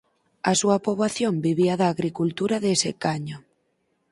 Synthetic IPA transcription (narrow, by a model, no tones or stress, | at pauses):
asuɐpoβlaθjombiβ̞iaðaːɣɾikult̪uɾaðesɪkaɲo